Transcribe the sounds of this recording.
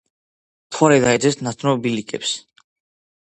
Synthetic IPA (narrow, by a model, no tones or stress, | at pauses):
t̪ʰwaɾɛd̪aɛd̪zɛstnat̪ʰnɔbilikʼɛ̰ps